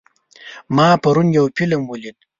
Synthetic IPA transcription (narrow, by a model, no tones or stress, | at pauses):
mɑːpɐɾunjawpilamwulid̪